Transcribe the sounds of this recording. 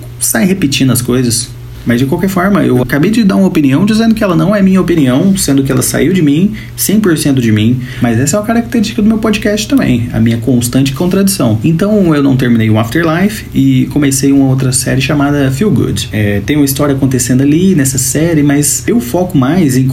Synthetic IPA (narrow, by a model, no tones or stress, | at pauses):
sajhepɪt͡ʃĩnd̪ʊɐskojzɐs | mɐzd͡ʒɪkwawkɛɾfɔɾmɐḛwakabejd͡ʒɪd̪aɾũmopiniɐ̃w̃d͡ʒizẽnd̪ʊkɪɛlɐnɐ̃w̃ɛmĩɲɐopiniɐ̃w̃sẽnd̪ʊkɪɛlɐsa̰iwd͡ʒɪmĩ | sẽj̃poɾsẽnt̪̬ʊd͡ʒɪmĩ | mɐzɛsɐɛ̃kaɾakɪ̥t̪eɾiʃt͡ʃɪ̥kɐd̪ʊmewpɔd͡ʒɪkɛst͡ʃɪ̥t̪ɐ̃mbḛ̃j̃ɐ̰mĩɲɐkõst̪ɐ̃t͡ʃɪ̥kõnt̪ɾad͡ʒisɐ̃w̃ẽnt̪ɐ̃w̃ewnɐ̃w̃t̪eɾminejũaft̪ɛɾlajf | ɪkõmesejũmɐowt̪̬ɾɐsɛ̰ɾɪʃamad̪ɐfiwɡṵd͡ʒɛt̪ẽj̃umɐist̪ɔɾiɐakõnt̪esẽnd̪ʊalinɛsɐsɛɾɪmɐzsewfɔkʊmajzẽj̃